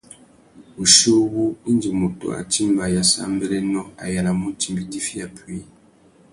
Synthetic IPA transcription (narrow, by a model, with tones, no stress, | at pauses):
u˨ʃu˦ɣu˦i˦nd͡ʒi˨mo˨to̰˨a̰˨t͡ʃi˦mba˨ja˨sa̰˦mbɛ˦lɛ˦nɔ˦a̰˨ja˨la˨mu˦ti˦mbi˦di˦fi˦ja˨pi˦